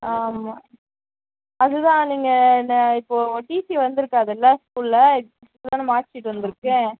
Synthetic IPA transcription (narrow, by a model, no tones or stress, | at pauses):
aːmaː | ɐðɯt̪ãːniːŋɡɐnːɐɪpːoːʈiːsiʋɐnd̪ɯɾɯkːaːðɛlːãːskuːllɐɪɐsɐt̪ːt̪ãːnɯmaːt͡ʃːɪʈːɯʋɐnd̪ɯɾɯkːẽː